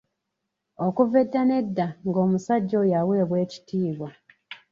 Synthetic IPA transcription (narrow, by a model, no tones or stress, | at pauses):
okuvedːane̞dːaŋɡo̞ːmusaɟːo̞jawe̞ːβwe̞ːci̥tiːβwa